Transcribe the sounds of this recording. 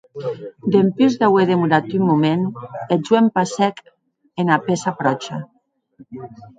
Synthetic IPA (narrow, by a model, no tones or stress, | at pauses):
d̪empyzðaweðemuɾat̪ymːumened͡ʒwempasɛk | enapesafɾɔt͡ʃa